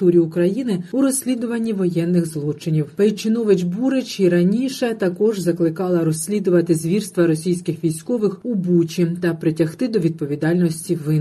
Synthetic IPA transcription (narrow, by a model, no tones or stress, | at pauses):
t̪uɾʲiʊkɾɐjinɪuɾɔsʲlʲid̪ʊʋɐnʲːiʋɔjɛnːɪɣzlˠɔt͡ʃɪnʲiwpet͡ʃɪnɔʋɪt͡ʃbuɾɪt͡ʃiɾɐnʲiʃɛt̪ɐkɔʒzɐklˠɪkɑlˠɐɾɔsʲlʲid̪ʊʋɐt̪ɪzʲʋʲirst̪ʋɐɾɔsʲijsʲkɪxʋʲijsʲkɔʋɪxubut͡ʃʲit̪ɐpɾɪtʲɐxt̪ɪd̪ɔʋʲid̪̚pɔʋʲid̪ɑlʲnɔsʲtʲiʋɪn